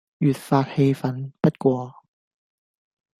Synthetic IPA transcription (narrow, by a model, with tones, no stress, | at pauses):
jyː˨t̚faː˧˥t̚he˧jfɐ˨˥npɐ˥t̚kʷɔː˧